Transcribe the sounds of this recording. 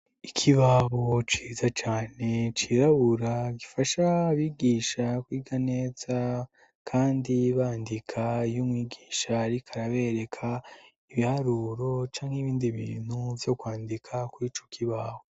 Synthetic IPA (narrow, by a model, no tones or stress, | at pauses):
ikʰiβaβot͡ʃiːzat͡ʃaːne̞t͡ʃiɾaβuɾaɡifaʃaβiɡiːʃakwiːɡaneːz̥a | kʰaːndiβaːndikʰajumŋiːɡiːʃaɾikʰaɾaβe̞ɾe̞kʰa | iβihaɾuːɾo̞t͡ʃaːŋhiβiːndiβḭːn̥huvjo̞kwaːndikʰakwiːt͡ʃokʰiβaβo